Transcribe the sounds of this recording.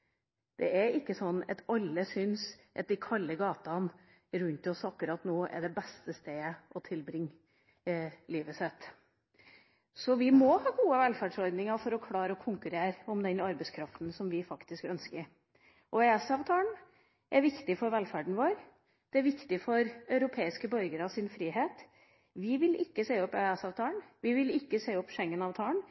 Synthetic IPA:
d̪̥ɛ̰ʔæɾɪkːəsɔnːɛ̰t̪ɑlːəsʏnsʔɑt̪̚d̪ɪkʰɑlːəɡɑːt̪ɑn | ɾʉnt̪ɔsɑkːʉɾɑt̪noːʔɛ̰ɖɛbɛst̪əst̪eːəʔɔt̪ʰɪlbɾɪŋː | liːʋəsɛt̪ː | sɔʋɪmɔhɑːɡuːəʋɛlfæɖʂɔɾd̪nɪŋɑfɔɾɔkʰlɑːɾəɔkʰʊŋkʉɾeːɾɔmd̪ɛnɑɾbɛɪskʰɾɑft̪nsɔmʋɪfɑkt̪ɪskœnskəɾ | ʔɔɛɛsɑːʋt̪ʰɑːəɳ | ʔæɾʋɪkt̪ɪfɔɾʋɛlfæɖɳ̩ʋoːɾ | d̪̥ɛæɾʋɪkt̪ɪfɔɾœʉɾʊpʰeːɪskəbœɾɡəɾɑsɪnfɾiːɦeːt̪ | ʋɪʋɪlɪkːəseːɔpːæɛsɑːʋt̪ʰɑːəɳʋɪʋɪlɪkːəseɔpːʂɛŋːənɑːʋt̪ʰɑːəɳ

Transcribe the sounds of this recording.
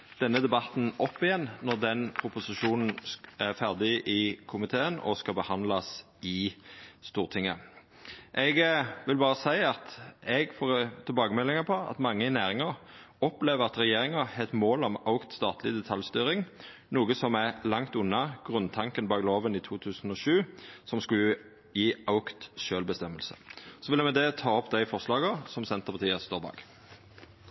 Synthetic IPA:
d̪̥ɛnːəd̪ɛbɑt̪n̩ʔɔpːɪjɛnnɔʁd̪ɛnpʰʁʊpʊsɪʃuːnn̩æʁfæʁd̪ɪʔɪkʰʊmɪt̪ʰeːənɔ̰skɑbəhɑnd̪lɑs | ɪst̪uːʁt̪ʰɪŋːə̰ | ʔɛɡʋɪlbɑːʁəsæɪɑt̪ɛɡfoːʁt̪ʰɛlbɑːɡəmɛlːɪŋɑpʰɔɑ̰t̪mɑŋːəɪnæːʁɪŋɑ | ɔpleːʋəʁɑt̪ʁɛjeːɾɪŋɑhɛt̪moːlɔmɑʊkt̪st̪ɑːt̪ʰlɪd̪ɛt̪ʰɑljst̪yːɾɪŋ | nuːɡəsɔmælɑŋt̪ʉnːɑɡ̥ʁʉnt̪ʰɑŋkənbɑːɡloːʋəniːt̪ʰuːt̪ʰʉːsn̩ɔːʃʉːsɔmskʉl | jiːʔɑʊkt̪ʃøːlbəst̪ɛmːəlsə̥̰sɔʋɪlːəmɛd̪ɛt̪ʰɑːɔpd̪æɪfɔʁslɑːɡəsɔmsɛnt̪əpɑʁt̪ʰiːəst̪oːʁbɑ̰ːɡ

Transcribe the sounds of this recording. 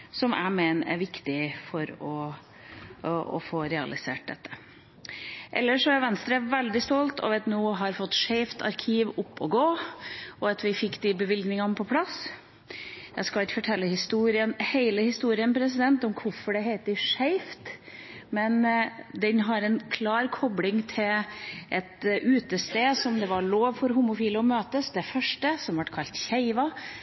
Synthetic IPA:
sɔmʔæ̰ɪmeːnæ̰ɾʋɪkt̪ɪfɔɾɔ | ɔ̰foːɾɛɑ̰lɪsḛːʈ̚d̪ɛ̰t̪ːə̥ | ʔɛ̰lːəʂɔæɾʋɛnst̪ɾəʋɛld̪ɪst̪ɔlt̪ɔ̰ʋɛt̪nuːɦɑɾfɔt̪ːʂeɪft̪ʰɑ̰ɾkʰiːʋʊpːɔɡoːʔɔɑt̪ʋɪfɪkːd̪ɪbəʋɪlɡnɪŋɑnəpʰɔpʰlɑs | jæɪskɑɪkfɔʈʰɛlːəhɪst̪uːɾɪənheɪləhɪst̪uːɾɪənpʰɾɛs̬ɪd̪ɛnt̪ɔmkʰʊfɔɖɛɦeɪt̪̚d̪ɪʂeɪft̪mɛnd̪ɛnɦɑɾɛnkʰlɑːɾkʰɔblɪŋt̪ʰɪlʔɛt̪ʔʉːt̪əst̪eːsɔmd̪ɛʋɑɭoːʋfɔɾɦuːmʊfiːləɔmøːt̪əsd̪ɛfœʂʈəsɔmʋɑʈkʰɑlt̪çeɪʋɑ

